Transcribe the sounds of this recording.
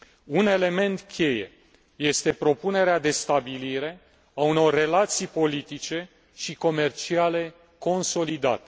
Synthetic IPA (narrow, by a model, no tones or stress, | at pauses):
une̞le̞me̞nt̪kʲe̞je̞̰ | je̞st̪e̞pɾo̞pune̞ɾead̪e̞st̪abiliɾe̞ | auno̞rːe̞lat̪sijpo̞lit̪it͡ʃe̞ | ʃiko̞me̞rt͡ʃiale̞ | ko̞nso̞lid̪a̰t̪e̥